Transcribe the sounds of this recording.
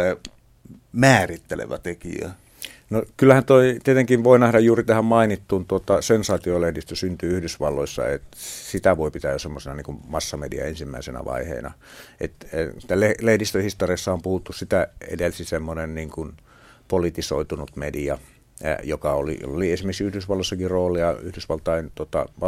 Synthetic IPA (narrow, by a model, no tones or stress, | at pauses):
mæːrit̪ːelḛʋæt̪ekḭæ̰ | nokylːæhænt̪oˑit̪iet̪eŋkiʋʋoˑinæhdɑjjuːrit̪æhæmmɑinit̪ːuːnt̪uot̪ːɑsensɑːt̪iolehdist̪øsynt̪yːyhdysʋɑlːoˑisːɑ̰ḛt̪sit̪æʋoˑipit̪æjosemːosinɑniŋkummɑsːɑmedḭɑ̰ensimːæ̰ˑisenæ̰ʋɑ̰ˑihḛːnɑ̰ | ʔḛt̪et̪ːælelehdist̪øhist̪oriɑsːɑompuhut̪ːussit̪æḛdelsisemːonenniːŋkun | polit̪iso̰it̪unut̪mediɑ̰ | jokɑo̰lḭliensimeksiyhdysʋɑlːoisːɑkiroːliɑyhdysʋɑlt̪ɑint̪uot̪ɑ̰ʋɑ